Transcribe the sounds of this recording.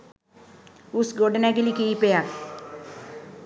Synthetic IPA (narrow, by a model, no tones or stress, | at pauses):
usɡoɖənakelikiːpeja